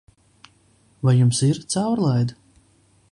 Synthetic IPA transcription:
vajumsiɾt̪sawɾlˠajd̪

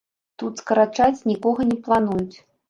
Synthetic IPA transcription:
t̪ut̪skɐɾat͡ʂat͡sʲnʲikɔɣɐnʲɛplˠanujut͡sʲ

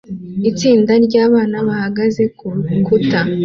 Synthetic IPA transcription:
it͡siːndaɾɟaːβaːnaβahaɡaze̞ukuta

